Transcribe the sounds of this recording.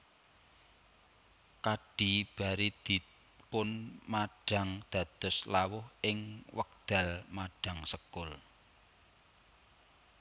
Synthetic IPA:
kaɖ̥i̤b̥a̤ɾid̪̥i̤ | pʊnmaɖ̥a̤ŋd̪̥a̤d̪̥ɔ̤slawʊhʔɪŋwək̚d̪̥a̤lmaɖ̥a̤ŋsəkʊl

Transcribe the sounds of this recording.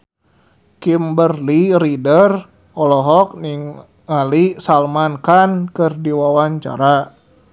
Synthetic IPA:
kimbərliɾidər | ɔlɔɦɔk̚niŋ | ŋalisalmankankɨrdiwawaɲt͡ʃa̰ɾa

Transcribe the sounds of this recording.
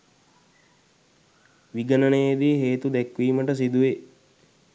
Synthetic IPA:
ʋiɡənənejed̪iːɦeːt̪ud̪ɛkʋiːməʈəs̬id̪uʋe

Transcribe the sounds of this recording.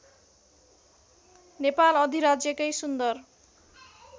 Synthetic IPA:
nepalʌd̪ʱiɾad͡zjʌkʌjsund̪ʌr

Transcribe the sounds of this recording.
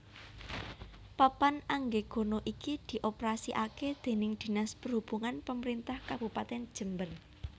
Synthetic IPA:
papanaŋɡeɡ̥o̤noʔikid̪̥i̤ʔopɾasiʔaked̪̥e̤nɪŋd̪̥i̤naspərhub̥uŋanpəməɾint̪ahkab̥ṳpat̪ɛnd̥ʒ̥ə̤mbər

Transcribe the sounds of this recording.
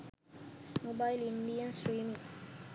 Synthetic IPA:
mobajlĩndijə̃nsɾiːmĩŋ

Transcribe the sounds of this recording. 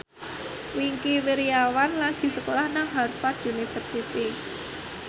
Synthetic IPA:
wiŋkiwiɾiawanlaɡ̥i̤səkolahnaŋɦarfat̪unifərsit̪i

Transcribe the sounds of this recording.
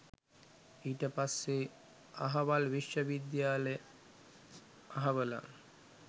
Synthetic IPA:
iːʈəpasːe | aɦaʋalʋiʃjəʋid̪jaːle | aɦaʋəla̰

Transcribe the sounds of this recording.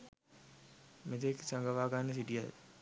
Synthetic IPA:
met̪eksaŋɡəʋaːɡanːəs̬iɖija̰j

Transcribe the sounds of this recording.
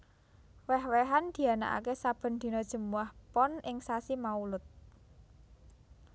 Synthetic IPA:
wɛhwɛɦand̪̥i̤ana̰ʔa̰kesab̥ə̤nd̪̥i̤nɔd̥ʒ̥ə̤muahpɔnʔɪŋsasimaulʊt̪̚

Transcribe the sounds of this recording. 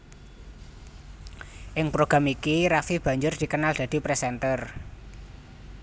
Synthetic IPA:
ʔɪŋpɾoɡ̥ɾamikiɾafib̥ä̤ɲd͡ʒʊrd̪̥i̤kənald̪̥ä̤d̪̥i̤pɾesɛnt̪ər

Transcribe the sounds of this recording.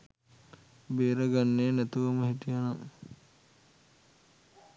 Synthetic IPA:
beːɾəɡanːeːnæt̪uʋɐməɦiʈijanam

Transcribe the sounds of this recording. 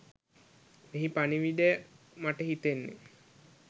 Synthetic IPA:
meɦipaniʋiɖ̪e | maʈəɦit̪enːḛ

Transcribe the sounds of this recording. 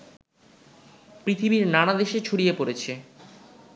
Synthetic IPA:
pɾit̪ʰibiɾnanad̪eʃet͡ɕʰoɽijepoɾet͡ɕʰe

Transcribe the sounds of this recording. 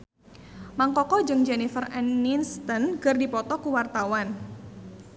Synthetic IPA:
maŋkɔkɔd͡ʒɨŋd͡ʒɛnifərɛnːinst̪ənɡɨrdipɔt̪ɔkuwart̪awan

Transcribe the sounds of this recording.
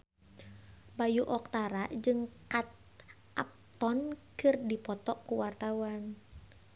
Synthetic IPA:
bajuʔɔk̚t̪aɾaʔd͡ʒɨŋkat̪̚ | ʔap̚t̪ɔnkɨrdipɔt̪ɔkuwart̪awan

